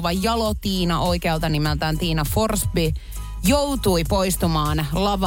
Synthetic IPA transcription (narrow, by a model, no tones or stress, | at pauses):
ʋɑjjɑlot̪iːnɑʔoikeɑlt̪ɑnimelt̪æːnt̪iːnɑforsbi | jowt̪uipoist̪umɑːnlɑʋɑ